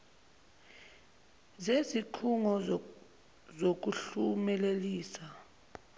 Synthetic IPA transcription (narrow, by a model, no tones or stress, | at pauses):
zeziǃʰuŋɔ | zok̬uɬumɛleliːsa